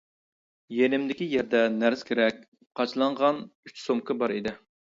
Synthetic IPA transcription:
jenɪmd̪ɪkʲijɛɾd̪ɛnæɾskʲʰeɾɛk̚ʲ | qʰɑt͡ʃʰlˠɑɴʁɑnyt͡ʃsomkʰɨbɑɾid̪ɪ

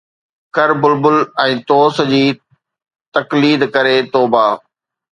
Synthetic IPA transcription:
kɐɾbʊlbʊlɛ̃ːt̪oːsd͡ʑiː | t̪ɐkliːd̪kɐɾet̪oːbaː

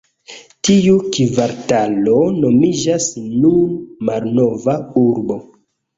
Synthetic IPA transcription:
tiukivaɾtalono̞mid͡ʒasnunmalnovauɾbo̞

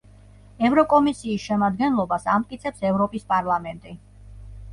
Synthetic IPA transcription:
ɛvɾɔkʼɔmisiːsʃɛmad̪̚ɡɛnlˠɔbasamt̪ʼkʼit̪sʰɛpsɛvɾɔpʼispʼaɾlˠamɛnt̪ʼi

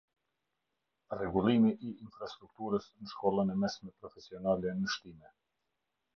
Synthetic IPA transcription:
rɛɡulˠimiʔiːnfɾast̪ɾuk̚t̪uɾəsnəʃkɔlˠənɛmɛsmɛpɾɔfɛsiɔnalɛnəʃt̪imɛ

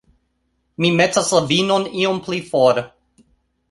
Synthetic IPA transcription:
mimet͡saslavinoniomplifoɾ

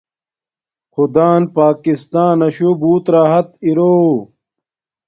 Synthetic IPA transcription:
xud̪aːnpaːkist̪aːnɐɕobuːt̪ɾaːɦɐt̪iɾoː

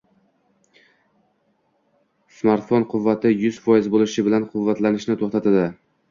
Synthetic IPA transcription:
smaɾt̪fonqʰʊvːat̪ʰɪjʊz̥fɒjɪzbolɪʃɪbɪlanqʰʊvːat̪lanɪʃnɪt̪ʰoχt̪at̪ʰad̪ɪ

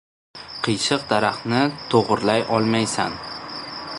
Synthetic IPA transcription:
qʰɨjʃɨq̚d̪aɾaχnɪt̪ʰoʁɨɾlajʔɒlˠmajsan

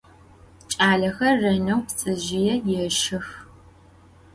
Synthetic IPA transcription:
t͡ʃʼaːɮɐxɐrːɐnɐwpt͡sʼɨʒɪjɛjɛʃɪx

